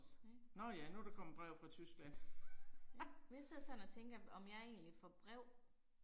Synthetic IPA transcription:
nɒjænuɾ̥ekʰɒ̽m̰ɐb̥ʁɛʊ̰fʁɑ̈t͡sʰysɡ̥læn̰ | mise̝ð̰ˠsɒ̽nɒt͡sʰeŋɡ̥əɒ̽mjɑɐe̝̰ːnlifɒb̥ʁɛʊ̰

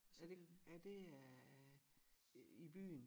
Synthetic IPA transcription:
æɐd̥eæd̥e̝æ | ib̥y̰ːn

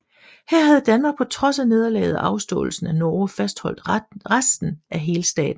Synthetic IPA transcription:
heɐ̰ɦhæð̞̩ˠd̥ænmɑ̈ːɡ̥̚pʰɒ̽t͡sʰʁɒ̽sæne̝ð̞ˠɐlɛ̰ːð̩ˠɑ̈ʊsd̥ɔ̰̽ːl̩sn̩ænɒːfæsd̥hɒ̽l̰d̥ʁasd̥n̩ʔæɦe̝ːləsd̥ɛ̰ːd̥n̩

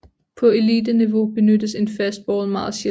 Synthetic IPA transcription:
pʰɒ̽e̝lḭːd̥əniʋo̝b̥e̝nød̥əse̝nfæs̚b̥ɒːlmɑ̈ðːˠɕe

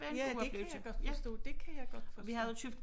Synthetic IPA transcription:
æjæekːjɑɡ̥ɒd̥fsd̥ɔ̰ːd̥e̝kʰæjɑ̈ɪɡ̥ɒ̽d̥fɒʋihæð̩ˠjt͡sʰyfd̥

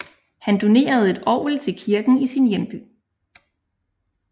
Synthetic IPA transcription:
hænd̥o̝ne̝̰ːɐð̞̩ˠe̝d̥ɒ̰ʊlt͡sʰe̝lkʰiɐɡ̥n̩isinjemb̥y̰ː

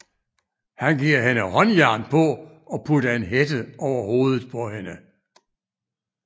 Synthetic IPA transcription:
hænɡ̥iɐ̰ɦenəhɒ̽njæɐ̰npʰɒ̽ | ɒ̽pʰudɐe̝nɦed̥əʔɒʊɐho̝ːð̞ˠð̩ˠpʰɒ̽henə

